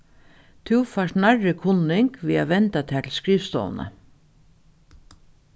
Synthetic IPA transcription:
t̪ʰuwfaʂnarːɪkʰʊnːɪŋkʋiːaʋɛnt̪at̪ʰæːt̪ʰɪlskɾiːʋst̪ɔ̰ːʋ̰na̰

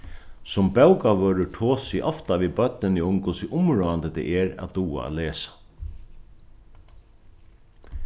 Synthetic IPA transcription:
sʊmbɛwkaʋœːɾʏʈʰoːsɪʔɔft̪aʋiːbœt̪̚nɪnɪʊmkʰʊsɪʔʊmɹoːant̪əd̪ɛ̰ʔɛɾa̰d̪uːa̰a̰ːleːsḁ

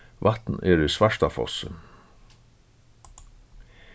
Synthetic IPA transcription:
ʋat̪n̩eːɾɪsʋaʂt̪afɔ̰sə̰

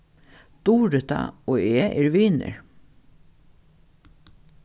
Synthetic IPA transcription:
t̪uːɾɪt̪a̰oːeːʔɛɹʋiːnɪ̰ɹ

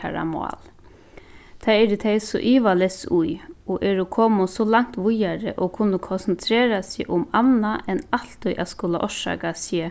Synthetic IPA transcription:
a̰ɾa̰mɑ̰ːl | t̪ʰaɛɾɪt̪ʰeɪsɔ̰ʔiːʋalɛsʊjɔʔɛɾʊkʰoːmʊsɔlaŋ̥t̪ʋʊjaɾəʔokʰʊnːəkʰɔnsn̩t̪ʰɾeːɾasɪʔʊmanːaʔɛnalt̪ʊjʔaskʊlaʔɔʂɑ̰ːkasə

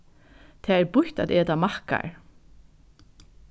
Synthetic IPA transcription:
t̪ʰɛːɛɹpʊç̥t̪at̪eːt̪amahka̰ɹ

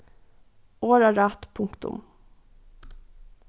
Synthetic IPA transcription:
oːɾɑɾɑːt̪pʰʊŋkt̪ʊ̰m

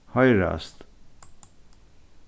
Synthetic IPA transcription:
hɑjɾɑ̰st̪

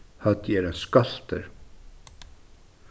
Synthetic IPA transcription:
hat̪ɛɾɛnskal̥t̪əɾ

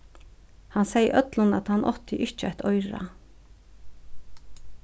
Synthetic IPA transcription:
hansejʔœt̪lʊna̰t̪hanːʔɔ̰ht̪ʰɪʔɪht͡ʃəaht̪ʰɔjɹa̰

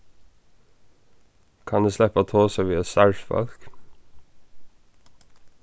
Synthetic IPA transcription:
kʰɑnd̪ʉːslɛpɑt̪ʰoːsɑʋiːɑsɑʉʃfɔ̰lk

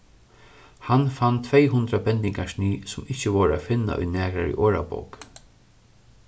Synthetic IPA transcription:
hanfant̪ʰvɛjɦʊnd̪ɾabɛnt̪ɪŋkaʂniːsʊmɪht͡ɕəʋɔːɾa̰fɪnːa̰ʔɔ̰jnæːkɾaɾḭʔɔːɹabɔ̰wk

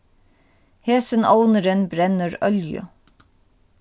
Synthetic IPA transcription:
heːsɪnɔwnəɾɪnbɾɛnəɾœljʏ̰

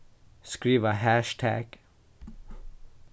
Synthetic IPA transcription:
skɹiːʋəhæʃtʰæ̰ɡ̥

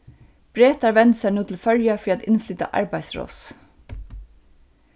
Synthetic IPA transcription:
b̥ɾeːt̪aɹʋɛnsænuːt̪ʰɪl̩fœljafɾiːat̪ɪnflʏːt̪a̰ʔɑ̰ɹbæɪsɹo̰ːs

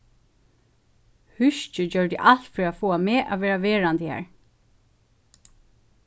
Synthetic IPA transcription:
hʏʃt͡ʃəd͡ʑœɹd̪ɪ̰ʔal̥t̪fiɾafoːameːʔa̰ʋeːɹaʋeːɹant̪əhæ̰ːɹ

